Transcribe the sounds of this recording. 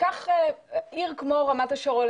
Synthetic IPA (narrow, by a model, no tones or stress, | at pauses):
kaχeiʁkmoʁamat̪aʃoʁol